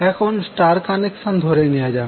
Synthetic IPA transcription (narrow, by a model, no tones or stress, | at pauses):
ɛkʰonsʈaːɾkaneksand̪ʱoɾeniad͡ʒaː